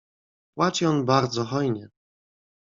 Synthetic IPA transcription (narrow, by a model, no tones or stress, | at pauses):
pwat͡ʃiɔnbaɾd̪zɔxɔjɲɛ